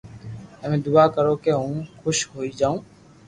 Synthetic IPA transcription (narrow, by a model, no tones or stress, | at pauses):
əmẽːd̪ʊakəɾoːkeɦũːkʰʊʃɦoːid͡ʒaːũː